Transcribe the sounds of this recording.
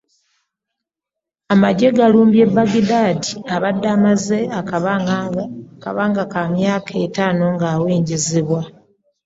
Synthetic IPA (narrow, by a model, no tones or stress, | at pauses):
amaɟe̞ɡaluːmbje̞bːaɡidaːdiaβadːaːmaze̞a | ka̰βaːŋɡakamjaːkʰe̞taːno̞ŋɡaːweːɲɟeziβwa